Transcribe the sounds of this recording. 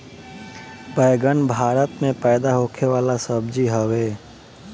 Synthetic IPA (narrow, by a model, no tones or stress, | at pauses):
bəjɡənbʱaːɾət̪mẽpəɪd̪aɦokʰeʋaːlasəbd͡ʒiɦəwe